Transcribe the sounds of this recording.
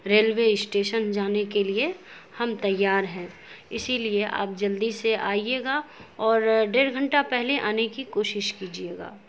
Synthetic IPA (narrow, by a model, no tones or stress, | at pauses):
ɾeːlweɪsʈeːʃənd͡ʒaːnekelie | hɐmt̪ɐjːaːɾɦɛ̃ː | ɪsilieʔa̰ːp̚d͡ʒɐld̪iseʔaːieːɡaɔːɾɖeːɾɡʱə̃ɳʈapɛɦleʔaːnekikoːʃɪʃkiːd͡ʒieːɡa̰ː